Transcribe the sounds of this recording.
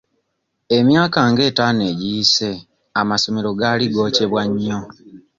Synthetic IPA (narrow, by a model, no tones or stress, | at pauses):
e̞mjaːkaŋɡe̞ːtaːneɟiise̞ | amaso̞me̞ɾo̞ɡaliɡo̞ːce̞βwaɲːo̞